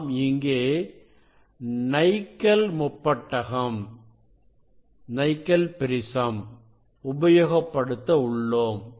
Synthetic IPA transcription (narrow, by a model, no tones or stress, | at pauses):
mɪŋɡeː | nɐɪkːɐlmʊpːɐʈːɐɣɐm | nɐɪkːɐlpɪɾɪsɐm | ʊbɐjoːɣɐpːɐɽɯt̪ːɐʊɭːoːm